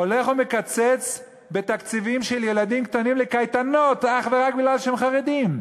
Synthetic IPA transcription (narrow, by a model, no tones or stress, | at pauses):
ole̞χomekat͡se̞t͡s | be̞t̪akt͡sivimʃelje̞lad̪imkt̪animlekajt̪ano̞t̪aχveʁak̚biɡlalʃeemχaʁe̞d̪im